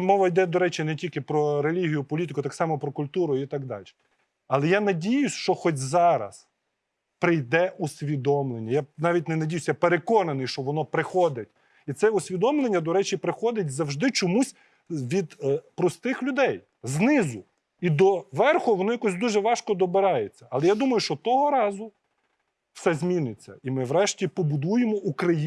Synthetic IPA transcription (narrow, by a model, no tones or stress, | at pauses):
mɔʋɐjd̪ɛd̪ɔɾɛt͡ʃinɛtʲilʲkɪpɾɔɾelʲiɦʲijʊpɔlʲit̪̬ɪkʊt̪ɑksɑmɔpɾɔkʊlʲt̪uɾʊit̪ɑɡd̪ɑ̰lʲʃɛ̥ | ɐlˠɛjanɐdʲijʊsʲʃt͡ʃɔxɔtʲzɑɾɐ̰s | pɾɪjd̪ɛʔusʲʋʲid̪ɔmlˠenʲːɐjanɑʋʲit̬̚ʲnɛnɐdʲijʊsʲjapeɾekɔnɐnɪjʃt͡ʃɔʋɔnɔpɾɪxɔd̪ɪtʲ | it̪sɛʊsʲʋʲid̪ɔmlˠenʲːɐd̪ɔɾɛt͡ʃipɾɪxɔd̪ɪt̚ʲzɐwʒd̪ɪt͡ʃɔmusʲ | ʋʲid̪pɾɔst̪ɪxlʲʊd̪ɛj | znɪzʊ | id̪ɔʋɛrxɔʋɔnɔjɐkɔsʲd̪uʒɛʋɑʃkɔd̪ɔbɪɾɑjet͡sʲːɐɐlˠɛjad̪umɐjʊʃt͡ʃɔt̪ɔɦɔɾɑzʊ | wsɛzʲmʲinɪt͡sʲːɐimɪʋɾɛʃtʲipɔbʊd̪ujemɔʔukɾɐji